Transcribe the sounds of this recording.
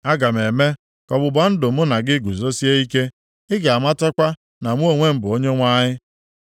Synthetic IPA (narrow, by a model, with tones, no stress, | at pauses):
a˦ɡa˨m˨e˨me˦ | kɔ˨bʊ˨ba˨n̩˦dʊ˨mʊ˦na˨ɡɪ˦ɡu˨zo˦si˦e˦i˦ke˦ | ɪ˦ɡa˨a˨ma˦tɔ˦kʷa˦ | na˨mʷ˦o˦˨ŋʷe˦m̩˦bʊ˨o˦ɲe˦ŋʷa˦ɲɪ˦